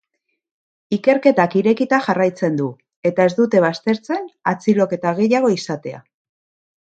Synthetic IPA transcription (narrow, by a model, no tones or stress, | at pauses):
ike̞ɾke̞t̪akiɾe̞kit̪aʝarajt͡se̞nd̪u | e̞t̪ae̞zd̪ut̪e̞β̞ast̪e̞ɾt͡se̞nat͡silo̞ke̞t̪aɣ̞e̞jaɣ̞o̞isat̪e̞a̰